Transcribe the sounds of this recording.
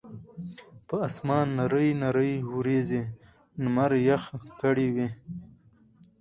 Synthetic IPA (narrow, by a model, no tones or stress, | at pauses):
pəasmɑːnːaɾəjnaɾəjhuɾeze | nmaɾjaxkaɽiwi